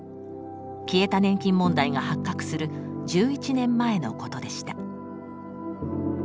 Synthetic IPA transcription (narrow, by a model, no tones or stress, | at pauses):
kʲie̞t̪anẽ̞ŋkʲĩmːõ̞nd̪aiɡahakːakɯ̟̥sɨɾɯ̟d͡ʑɨːit͡ɕinẽ̞mːae̞no̞ko̞t̪o̞d̪e̞ɕi̥t̪a